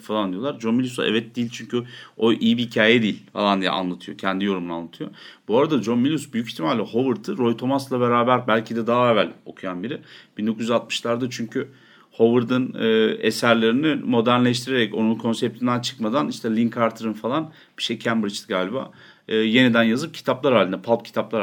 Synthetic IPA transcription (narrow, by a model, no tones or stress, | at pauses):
falˠand̪ijo̞lˠaɾd͡ʒonmilʲusa̰ʔɛ̰vɛt̪̚d̪iːilʲt͡ʃʰyɲcʰyo̞ʔijibiɦicʰaːjɛd̪ijːilʲfa̰lˠand̪ijɛ̰a̰nlˠat̪ʰɯjo̞cʰɛnd̪ijo̞ɾumuna̰nˠat̪ʰɯjobuaɾad̪ad͡ʒo̞nmilʲusbyjycʰiçt̪ʰimalʲlʲɛho̞vɯɾd̪ɯɾo̞jt̪ʰo̞maslˠabe̞ɾaːbæɾbælʲcʰid̪ɛd̪aɦaevælʲo̞̰kʰujanbiɾɪb̥ind̪o̞kuzyzat̪̚mɯʃlˠaɾd̪at͡ʃʰyɲcʰy | ho̞vɯɾd̪ɯnɯːḛsæɾlʲeɾinimo̞d̪æɾnlʲɛʃ̬t̪ʰiɾeɾɛco̞nunkʰo̞nsɛp̚t̪ʰind̪ænt͡ʃʰɯ̥kmad̪aniʃt̪ʰɛlʲinkʰaɾt̪ʰɯɾɯnfalˠan | b̥i̥ʃejcʰæmbɾit͡ʃt̪ʰɯɡaːlʲiba̰ː | je̞nid̪ænjazɯp̚cʰi̥t̪ʰaplˠaɾhaːlʲind̪ɛpʰalˠp̚cʰi̥t̪ʰaplˠaɾ